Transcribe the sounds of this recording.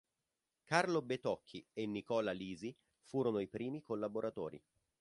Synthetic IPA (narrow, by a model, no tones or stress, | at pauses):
karlobet̪ɔkʰːienːikɔːlaliːzi | fuːɾonoipɾiːmikolːaboɾat̪o̰ːɾḭ